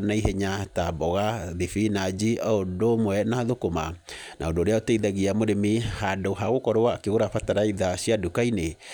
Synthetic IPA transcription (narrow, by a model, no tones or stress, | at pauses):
naiɦeɲatabɔɣaðifinad͡ʒiʔaodomwɛnaðokoma̰ | nʔa̰ondoɾeaoteiðaɣiamoɾemihandoɦaɣokɔɾowaːkeɣoɾafataɾaiðasiadukaine